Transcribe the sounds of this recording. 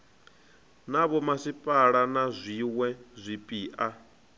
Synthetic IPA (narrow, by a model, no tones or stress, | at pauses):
naβɔmasipʼaɺanazʷiwɛzʷipʼiːʔa